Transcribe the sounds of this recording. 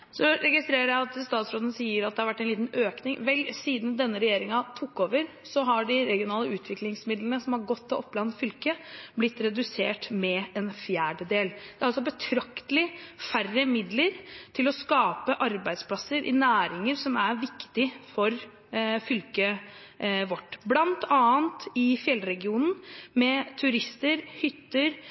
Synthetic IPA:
sɔɾɛɡɪst̪ɾeːɾəɾjæɪɑt̪st̪ɑːt̪sɾoɔːd̪nsiːəɾɑt̪d̪ɛhɑɾʋæʈːæɛnliːt̪nøːknɪŋʋɛlsiːd̪n̩d̪ɛnːəɾɛjeːɾɪŋɑt̪ʰʊkːoːʋəɾ | sɔɦɑɖɪɾɛɡɪʊnɑːləʉːt̪ʰʋɪklɪŋsmɪd̪lənəsɔmhɑɾɡɔt̪ːɔɔpːlɑnt̪fʏlkəblɪt̪ːɾɛd̪ʉseːʈmɛɛnfjæːɖəd̪eːld̪ɛæɾɑlsɔbət̪ʰɾɑkt̪əlɪfærəmɪd̪ləɾt̪ʰɪlɔskɑːpəʔɑɾbæɪd̪spʰlɑsəɾʔɪ̰næːɾɪŋəɾsɔmæɾʋɪkt̪ɪfɔɾ | fʏlkə | ʋɔʈːblɑnt̪ɑːənt̪ɪfjɛlːɾɛɡɪuːnn̩mɛt̪ʰʉɾɪst̪əɾhʏt̪ːəɾ

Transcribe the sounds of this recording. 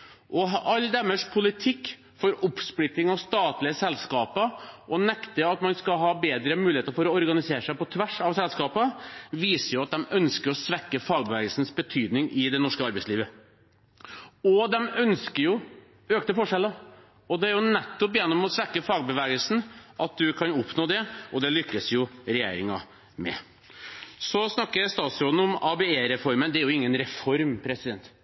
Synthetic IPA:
ʔɔɦʔɑlːd̪ɛməʂpʰʊlɪt̪ʰɪkː | fɔɾʊpsplɪt̪ːɪŋɑʋst̪ɑːt̪lɪəsɛlskɑːpəʔɔnɛkt̪əɑt̪mɑnskɑɦɑːbeːd̪ɾəmʉːlɪheːt̪əɾfɔɾɔɔɾɡɑnɪseːʂæɪpɔt̪ʰʋæʂɑʋsɛlskɑːpəʋiːsəɾjʊɑt̪̚d̪ɛmœnskəɾɔsʋɛkːəfɑːɡ̚bəʋɛːɡəlsnsbət̪ʰyːd̪nɪŋʔɪd̪ɛnɔʂkəɑɾbæɪsliːʋə | ɔd̪ɛmœnskəɾjʊ | øːkt̪əfɔʂɛlːə | ɔd̪ɛæɾjʊnɛt̪ːɔpjɛnːɔmɔsʋɛkːəfɑːɡ̚bəʋɛːɡəlsn̩ʔɑt̪̚d̪ʉkʰɑnʊpnoːd̪ɛɔd̪ɛlʏkːəsjʊɾɛjḛːɾɪŋɑ | mɛ̰ | sɔsnɑkːəɾst̪ɑːt̪sɾoːd̪n̩ʊmɑbɛeːɾɛfɔɾmənd̪ɛæɾjʊɪŋːənɾɛfɔɾmpʰɾɛsɪd̪ɛnt̪

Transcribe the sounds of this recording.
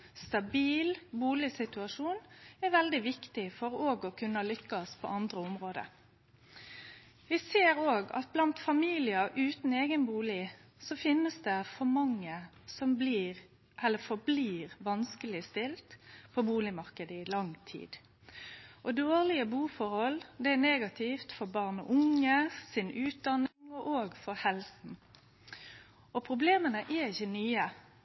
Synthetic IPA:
st̪ɑbiːlbuːlɪsɪt̪ʉɑʂuːnɛʋɛld̪ɪʋɪkt̪ɪfɔɾoːɡɔkʰʉnːɑlʏkːɑspʰɔ̰ʔɑnd̪ɾəʊmʁoːd̪ə̰ | ʋɪseːɾoːɡɑ̰t̪̚blɑnt̪fɑmiːlɪəʔʉːt̪n̩eːɡənbuːlɪsɔfɪnːəsd̪ɛfɔɾmɑŋːə | sɔmbliːʁ | ʔɛlːəɾfɔbliːʁʋɑnskəlɪst̪ɪlt̪pʰɔbuːlɪmɑɾkəd̪əɪlɑŋt̪ʰḭːd̪̥ | ʔɔd̪oːʁlɪəbuːfɔɾhɔld̪ɛæneːɡɑt̪ʰɪft̪fɔɾbɑːʁnəʔʊŋəsɪnʉːt̪̚d̪ɑnːɪŋɔʔoːɡfɔɾhɛlsn̩ | ʔɔpʰɾʊbleːmənəʔɛɾɪçənyːə

